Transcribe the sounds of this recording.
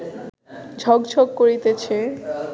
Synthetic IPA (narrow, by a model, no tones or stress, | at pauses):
d͡ʑʱɔɡd͡ʑʱokkoɾit̪et͡ɕʰe